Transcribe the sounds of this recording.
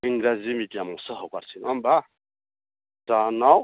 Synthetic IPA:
iŋɡɾazimikiamɔsəɦɔkwaɾsʰinamba | tanaw

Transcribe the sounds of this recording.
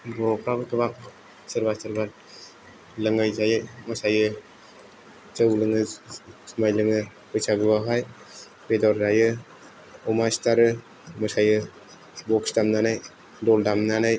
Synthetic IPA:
bɔkʰabɯtɯbak̚ | sɯɾbasɯɾbal | lɯŋajzajɯmɯsajɯ | t͡ʃəwlɯŋɯsmajlɯŋɯ | pɯjsaɡɯbaɦaj | bedɔɾzajɯ | ɔmastaɾɯ | mɯsajɯ | bɔkstamnanaj | dɔldamnanaj

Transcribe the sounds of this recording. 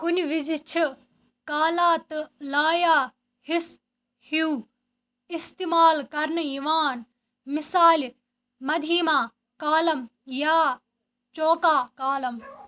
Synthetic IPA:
kʊnʋizit͡ʃʰ | kaːlaːt̪laːjaː | hɪs | hiuː | ist̪iːmaːlkɐɾnjiʋaːn | mɪsaːl | mɐd̪ʱiːmãː | kaːlɐmjaː | t͡ʃoːkaːkaːlɐm

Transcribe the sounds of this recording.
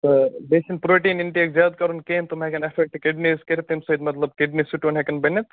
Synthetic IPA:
t̪ɐb̪esinpɾoːʈiːnɪɳʈiekzjaːd̪̚kɐɾunkeːmt̪umɦɛkɐnɐfɛk̚ʈkɪɖniskeɾt̪imsɐd̪mɐt̪lɐb̚kɪɖnisuʈːnɦekɐnbɐnːɐt̪

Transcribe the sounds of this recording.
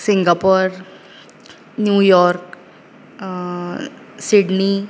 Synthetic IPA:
siŋɡapoɾ | njuːjɔɾk | siɖni

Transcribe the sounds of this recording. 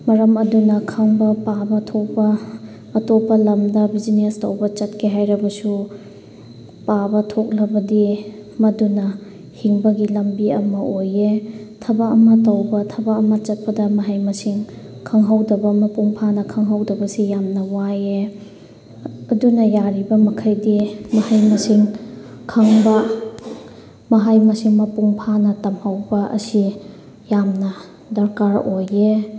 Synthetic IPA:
mɐɾɐmɐdunɐkʰɐŋbɐpabɐtʰok̚pɐː | topːɐlɐmdɐbid͡ʒinestɐwbɐt͡ʃɐt̚kʰeɦajɾɐbɐsu | pabɐtʰok̚lɐbɐdi | mɐdunɐ | hiŋbɐɡilɐmbiɐmɐʔojetʰɐbaɐmɐtɐwbɐtʰɐbaɐmɐt͡ʃɐt̚pɐdɐmɐɦajmɐsiŋkʰaŋɦawdɐbɐmɐpuŋpʰanɐkʰaŋɦawdɐbɐsijamnɐwaje | ɐdunɐjaɾibɐmɐkʰajdimɐhajmɐsiŋ | kʰaŋbɐ | mɐɦajmɐsiŋmɐpuŋpʰanɐtɐmhawbɐʔɐ̰si | jamnɐ | dɐɾkaɾoje

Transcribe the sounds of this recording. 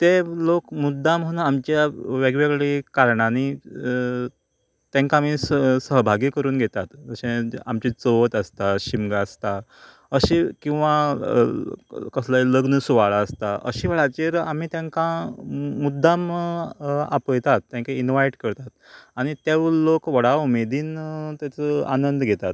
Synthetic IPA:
t̪elokmud̪ʱːamɦonaamt͡ɕjaʋeɡʋeɡɭikaɾɳani | t̪jãŋkaːm̤issəɦbʱaɡiːkəɾuːnɡʱet̪at̪əɕẽa̰mt͡ɕit͡soʋət̪əst̪aɕimɡaəst̪a | əɕekĩw̃ʋa | kəslajləɡnəsuʋaɭaəst̪aʔə̰ɕiʋəɭat͡ɕeɾam̤iːt̪jãŋkãmud̪ʱːam | a̰pəjt̪at̪ːjãŋkeinʋajʈkəɾt̪at̪̚aɽ̃it̪eʋlokʋəɽaumed̪iːnt̪jat͡səa̰nənd̪ɡʱet̪at̪

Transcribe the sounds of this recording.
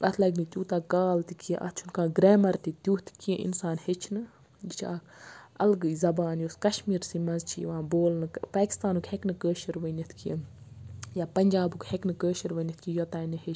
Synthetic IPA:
ʔɐt̪ʰlɐɡnɨt̪ʲjuːt̪aːkaːlt̪ikiẽʔɐ̰t͡ʃʰunkaːɡɾeːmɐɾt̪it̪ʲjuːt̪ʰkiẽʔḭnsaːnhet͡ʃʰnɨ | d͡ʒit͡ʃʰaːkɐlɡɨzɐbaːnjoskɐʃmiːɾsimɐzt͡ʃʰiʋãːboːlnɨpaːkʲi̥st̪aːnukheknɨkəːʃɐɾʋənit̪ʰkijḛ̃ | jaːpɐnʲd͡ʒaːbukʰheknɨkəːʃɐɾʋənʲit̪ʰkijot̪aːinɨhet͡ʃʰ

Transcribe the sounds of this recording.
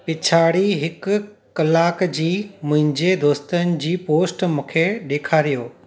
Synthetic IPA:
pɪt͡ɕʰaːɽiɦɪkkɐlaːkd͡ʑiːmʊ̃ɦɪ̃ɲd͡ʑed̪oːst̪ənɪ̆d͡ʑiːpoːsʈmũːkʰeɗeːkʰaːɾijoː

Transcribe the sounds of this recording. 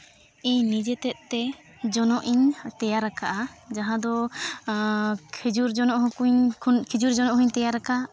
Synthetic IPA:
ɛɲnid͡ʒɛt̪ɛt̪̚ˀt̪ɛ | d͡ʒɔnɔʔiɲt̪ɛjaɾakaʔad͡ʒaɦãd̪ɔ | kʰɛd͡ʒuɾd͡ʒɔnɔʔɦukuɲkʰid͡ʒuɾd͡ʒɔnɔʔɦuɲt̪ɛjaɾaka

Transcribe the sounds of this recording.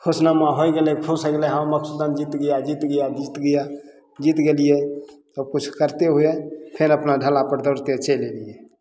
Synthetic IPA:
kʰosnamaɦojɡelɛkʰusəklɛɦə̃məksud̪ənd͡ʒit̪ɡəjad͡ʒit̪ɡəjad͡ʒit̪ɡəja | d͡ʒit̪ɡelijesəb̚kut͡ʃʰkəɾt̪eɦuepʰeɾəpnaɖʱəlapəɾd̪əɾt̪et͡ʃɛlelije

